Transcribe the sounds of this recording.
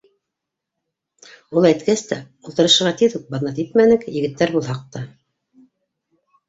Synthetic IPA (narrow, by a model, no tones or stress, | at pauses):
ulˠæjt̪kæst̪æ | ulˠt̪ɤ̆ɾɤ̆ʃɤ̆ɾʁɑt̪iðʉk̚bɑðnɑt̪it̪̚mænɘkjɘ̆ɡɘ̆t̪ːæɾbulˠhɑq̚t̪ɑ